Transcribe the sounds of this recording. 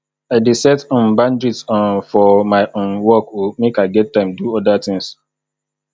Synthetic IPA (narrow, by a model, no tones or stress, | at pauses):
aɪdesɛtɔ̃nbãndɹitsãnfɔmaɪʔõnwɔkwimekaɪɡɛtːãɪ̃mduɔdat̪ĩŋs